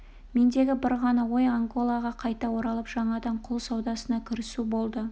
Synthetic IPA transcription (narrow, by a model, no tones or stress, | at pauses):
me̞nd̪e̞ɡʲɪbɪɾʁɑnɑwo̞jaŋɡo̞lˠɑʁɑqʰɑjt̪ɑwo̞ɾɑlˠəpʒ̥ɑɴɑd̪ɑɴqʰʊlˠsɑwd̪ɑsənɑkʲʰɪɾɪsubo̞lˠd̪ə